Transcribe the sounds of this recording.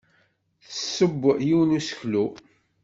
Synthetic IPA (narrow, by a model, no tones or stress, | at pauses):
θəsːəbːjiwnusə̥çlu